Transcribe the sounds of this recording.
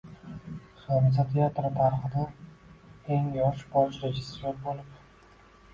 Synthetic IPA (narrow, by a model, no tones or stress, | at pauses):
soɾɪs̬at̪ʰeat̪ɾt̪ʰaɾχɨd̪a | eŋjɒʃbɒʃɾed͡ʒɪsjoɾbolɪp